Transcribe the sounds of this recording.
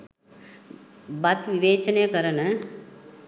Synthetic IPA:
bɐt̪ʋiʋeːt͡ʃɐnejɐkɐɾɐnɐ

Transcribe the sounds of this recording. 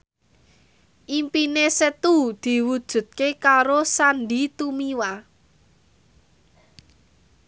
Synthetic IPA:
ʔimpinesət̪ud̪̥i̤wud̥ʒ̥ṳt̪̚kekaɾosanɖit̪umiwa

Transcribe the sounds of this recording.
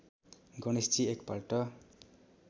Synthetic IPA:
ɡʌñist͡siekpalʈʌ

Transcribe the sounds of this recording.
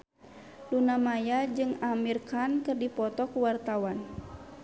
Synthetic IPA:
lunamajad͡ʒɨŋamirkankɨrdipɔt̪ɔkuwart̪awan

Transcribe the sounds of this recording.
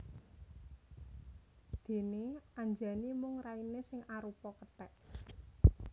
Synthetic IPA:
d̪̥e̤neaɲd͡ʒanimʊŋrainesɪŋʔaɾupɔkət̪ɛʔ

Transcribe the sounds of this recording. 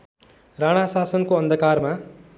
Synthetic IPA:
raɽ̃asasʌnkoʌnd̪ʱʌkarma

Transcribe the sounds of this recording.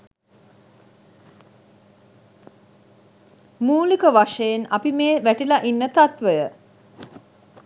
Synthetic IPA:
muːlikəʋaʂəjena̰pimeːʋæʈilaʔinːət̪at̪ʋəjə

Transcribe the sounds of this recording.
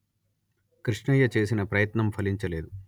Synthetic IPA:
kɾiʂɳɐjɐt͡ʃe̞ːs̬inɐpɾɐjɐt̪nɐmpʰɐliɲt͡ʃɐle̞ːd̪u

